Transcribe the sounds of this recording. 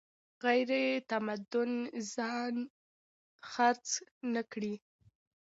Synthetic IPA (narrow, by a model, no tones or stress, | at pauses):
ɣajɾet̪amad̪ʊnzɑn | xaɾt͡snəkɽi